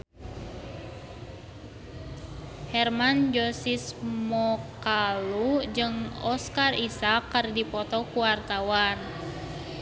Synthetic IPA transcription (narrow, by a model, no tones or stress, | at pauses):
hɛrmand͡ʒɔsismɔkalud͡ʒɨŋɔskarisakːərdipɔt̪ɔkuwart̪awan